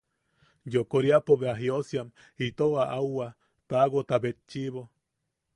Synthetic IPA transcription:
jokoɾjapoβeaɦiosjam | hit̪oaʔawa | paɡot̪abet̪t͡ʃiβo

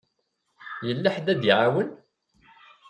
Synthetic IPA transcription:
jəlːaħd̪æd̪iʕawən

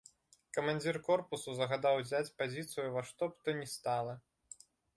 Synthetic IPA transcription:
kɐmanʲd͡zʲirkɔrpusuzɐɣad̪awzʲat͡sʲpazʲit̪sɨjuvaʂt̪ɔpt̪ɔnʲɛst̪alˠɐ

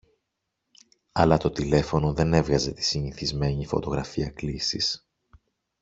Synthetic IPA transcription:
ɐlɐt̪o̞t̪ile̞fo̞no̞ðe̞ne̞vɣɐze̞t̪i̥siniθizme̞ɲifo̞̰t̪o̞ɣɾɐfiɐklisis

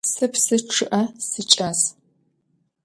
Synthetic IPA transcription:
sɨpsɨʈ͡ʂʰɨʔɐsɨt͡ʃʼɐs

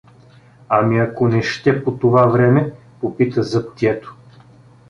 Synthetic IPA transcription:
ɐmiɐkonɛʃt̪ɛpot̪ovavɾɛmɛ | popit̪əzɐpt̪iɛt̪o̥

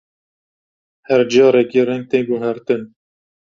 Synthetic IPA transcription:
hɛɾd͡ʒɑːɾɛkiːrɛŋɡ̚t̪eːɡuɦɛɾt̪ɨn

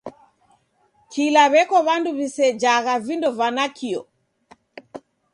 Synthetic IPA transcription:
kʰilaβɛkɔβanduβisɛd͡ʒaɣavindɔvanakʰiɔ

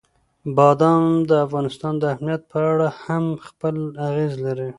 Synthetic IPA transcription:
bɑd̪ɑnd̪əafɣɑnɪst̪ɑnd̪əamnijat̪̚pʰəaɽahamxpəlaɣezlaɾi

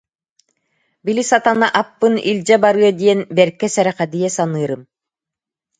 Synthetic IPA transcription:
bilisat̪anaʔapːɯnilʲd͡ʑɛbaɾɯɐd̪iɛnbɛɾkːɛsɛɾɛχɛd̪ijɛsanɯːɾɯm

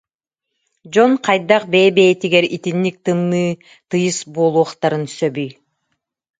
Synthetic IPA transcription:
d͡ʒɔnqʰɑjd̪aq̚beːbeːt̪iɡɛɾit̪inːik̚t̪ɯnːɯː | t̪ɯjɯsboːlˠuɔχt̪aɾɯnsœbyj

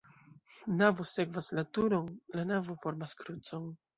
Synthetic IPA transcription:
navose̞kvasnatuɾo̞nlanavofo̞ɾmaskɾut͡so̞n

